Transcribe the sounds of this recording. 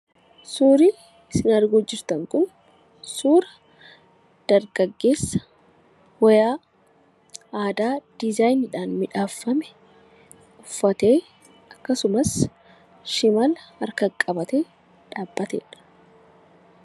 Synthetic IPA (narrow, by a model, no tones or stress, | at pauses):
suːɾiː | sɪnɐɾɡoːd͡ʒːɪɾt̪ɐŋkʊn | suːɾɐ | d̪̥ɐɾɡɐɡːe̞ːsːɐ̥ | wɐjaː | aːd̪aːd̪̥ɪzaːjnɪᶑaːnmɪᶑaːfːɐmɛ | ʊfːɐt̪e̞ː | ɐkːɐsʊmɐs | ʃɪmɐlɐɾkɐkʼɐbɐt̪eː | ᶑaːbːɐt̪ḛːᶑɐ̥